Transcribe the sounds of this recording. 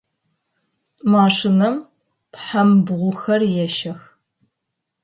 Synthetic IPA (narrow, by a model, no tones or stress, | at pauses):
maːʂɪnɐm | pħambʁʷʊxɐrjɛʃɐx